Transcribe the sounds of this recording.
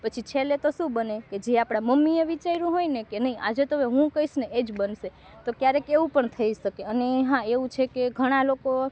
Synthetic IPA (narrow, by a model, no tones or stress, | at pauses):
pət͡ʃʰit͡ʃʰelet̪oʃũbəneked͡ʒeapɽ̃aməmːieʋit͡ʃaiɾũɦoinekenəĩʔa̰d͡ʒet̪oeɦũkəisneed͡ʒbənʃe | t̪okjaɾekeʋũpəɳt̪ʰəiʃəkeəneɦãeʋũt͡ʃʰekeɡʱəɽ̃aloko